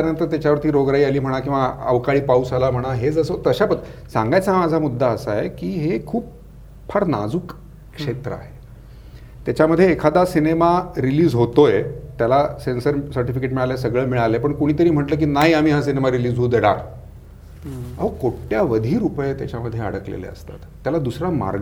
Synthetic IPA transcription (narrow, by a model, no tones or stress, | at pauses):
t̪əɾjənt̪əɾt̪jat͡ɕaʋəɾt̪iːɾoɡɾaiːaliːm̤əɽ̃akĩw̃ʋaə̰ʋkaɭiːpausalam̤əɽ̃aɦed͡zəsət̪əɕapəsãŋɡajt͡samad͡zʱamud̪ʱːaəsaekiːɦekʰuːp | pʰaɾna̰d͡zuːk | kːʂet̪ɾə̰a̰ɦe | t̪jat͡ɕaməd̪ʱːjeːkʰad̪asinemaɾiliːd͡zɦot̪ojet̪jalasensəɾsəɾʈifikeʈmiɭalesəɡɭəːmiɭalepəɳkoɽ̃iːt̪əɾiːm̤əʈləːk̬iːnaɦiam̤iːɦasinemaɾiliːd͡zɦuːd̪eɽa̰k | a̰ʋəkoʈjaʋəd̪ʱiːɾupjet̪ja̰t͡ɕaməd̪ʱːjeə̰ɽəklḛlḛə̰st̪a̰t̪ːjalad̪usɾama̰ɾɡ